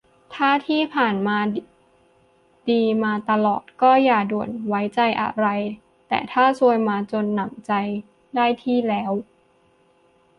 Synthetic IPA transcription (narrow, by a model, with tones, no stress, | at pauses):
t̪ʰaː˥˩t̪ʰiː˥˩pʰaː˨˩nmaː˧ | diː˧maː˧t̪a˧lɔː˨˩t̪̚kɔː˥˩jaː˨˩du˨˩ənwa˦˥jt͡ɕa˧jʔa̰˧ɾa˧j | t̪ɛ̰ː˨˩t̪ʰaː˥˩su˧əjmaː˧t͡ɕo˧nːa˨˩mt͡ɕa˧j | daː˥˩jt̪ʰiː˥˩lɛː˦˥w